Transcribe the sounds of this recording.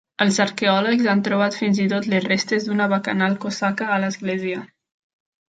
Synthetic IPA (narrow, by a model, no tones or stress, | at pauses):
əlˠzəɾkeɔləkzant̪ɾuβ̞at̪finzit̪ot̪lezrest̪ezd̪unəβəkə̰nalˠkosakəːləzɣleziə